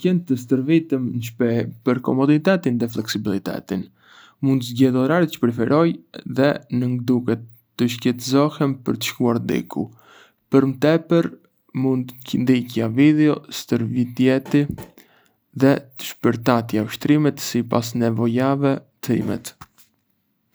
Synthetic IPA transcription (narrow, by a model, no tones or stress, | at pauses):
kɛnt̪əst̪əɾvit̪əmnəʃpɛpəɾkɔ̰mɔd̪it̪ɛt̪inðɛflɛksibilˠit̪ɛ̰t̪in | mund̪əzɟɛðɔɾaɾt̪t͡ʃə̥pɾɛfɛɾʔɔjðɛnəŋɡd̪ukɛt̪ːəʃkɛt̪zɔhɛmpəɾt̪ə̥ʃkuaɾd̪ḭkṵ | pəɾmət̪ɛpəɾ | mund̪cənd̪icjaviðɛɔst̪əɾvit̪jɛt̪i | ðɛt̪ə̥ʃpəɾt̪at̪jauʃt̪ɾimɛt̪sipasnɛvɔjavɛt̪ḭmɛ̰t̪